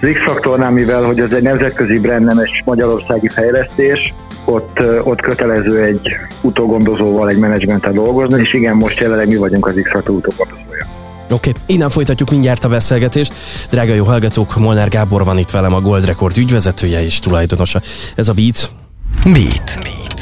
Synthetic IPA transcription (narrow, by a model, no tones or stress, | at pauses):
ziksɒkt̪ornaːmivɛlho̞ɟɛzɛɟnɛmzɛt̪̚køzibɾɛnd̪ːɛmɛʃmɒɟɒɾo̞rsaːɡifɛjlɛst̪eːʃ | o̞t̪ːot̪køt̪ɛlɛzøːɛɟː | ut̪oːɡo̞nd̪o̞zoːvɒlɛɟmɛnɛd͡ʒmɛnt̪ɛd̪o̞lɡo̞znieːʃiɡɛmːo̞ʃt̪jɛlɛnlːɛɡmivɒɟuŋkɒziksɒkt̪oːut̪oːɡond̪ozoːjɒ | okeːinːɛɱfo̞jt̪ɒcːukmiɲɟaːrt̪ɒbɛseːlɡɛt̪eːʃt̪d̪raːɡɒjoːɦɒlɡɒt̪oːkmolnaːrɡaːbo̞rvɒnit̪ʋɛlɛmɒɡo̞ld̪rɛko̞rd̪yɟvɛzɛt̪ʰøːjɛeːʃt̪ulɒjd̪o̞no̞ʃɒɛzɒviːt̪s | mḭːt̪ː